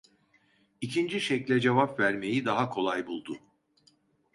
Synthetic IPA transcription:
icʰind͡ʒiʃɛclʲɛd͡ʒevapvæɾme̞jid̪aɦakʰo̞lˠajbulˠd̪ʊ

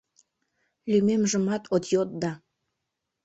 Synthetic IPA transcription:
lymemʒəmɑt̪ot̪jot̪̚d̪ɑ

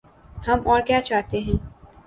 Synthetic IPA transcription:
hɐmɔːɾkjaːt͡ʃaːɦt̪eɦɛ̃ː

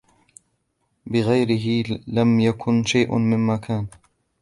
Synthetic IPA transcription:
bɪɣajɾɪɦɪlamjakʰʊnʃajʔmɪmmakʰaːn

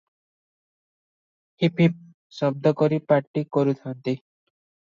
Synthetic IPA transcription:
hipip̚ | sʌb̚d̪ʱɔkɔɾipaʈːikɔɾut̪ʰant̪i

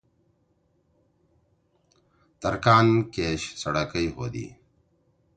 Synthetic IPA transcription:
t̪ɐɾkaːnkeːɕsɐɽakəjho̰ːd̪ḭː

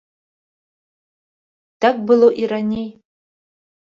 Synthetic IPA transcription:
d̥ak̚ʼbɨlowʔiɾanʲej

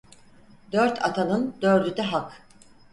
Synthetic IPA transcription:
d̪øɾt̪ʰa̰t̪ʰanɯnd̪øɾd̪yd̪ɛɦak

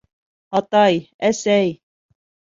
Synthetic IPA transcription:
ɑt̪ɑj | æsæj

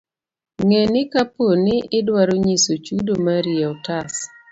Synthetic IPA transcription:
ŋɛnɪkaponɪʔɪdwaɾoɲisot͡ʃudomaɾiɛɔtas

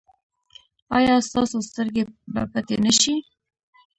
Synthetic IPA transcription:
ɑjɑst̪ɑsost̪əɾɡebə̰pat̪enəʃi

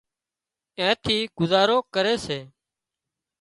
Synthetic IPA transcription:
ẽːt̪ʰiːɡ̥ʊzaːɾoːkəɾeːseː

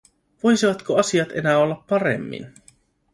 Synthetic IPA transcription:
ʋo̞jsiʋɑt̪koɑsiɑt̪e̞̰næːo̞lːɑpːɑɾe̞̰mːḭn

